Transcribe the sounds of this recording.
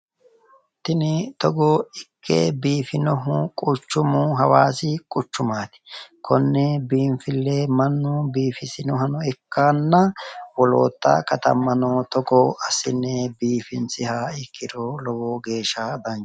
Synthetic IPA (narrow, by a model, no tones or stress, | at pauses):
t̪ɪnɪt̪ɔɡɔɪkʰːḛbiːfɪnɔɦʊkʼʊt͡ʃːʊmʊɦɐwaːsɪkʼʊt͡ʃːʊmaːt̪ɪ̥kʰɔnːɛbiːmfɪlːemɐnːʊbiːfɪsɪnɔɦɐnɔɛkːaːnːɐwɔlo̰ːt̪ːɐ̰kɐt̪ɐ̰mːɐnɔːt̪ɔɡɔɐsɪnːɛbiːfɪnsɪhaːɪkʰːɪd̪oːlɔwoːɡe̞ːʃad̪ɐn